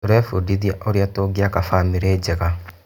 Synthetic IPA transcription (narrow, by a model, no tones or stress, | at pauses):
ɾɛfudiðiaʔoɾiatoɡiakafamiɾed͡ʒɛɣa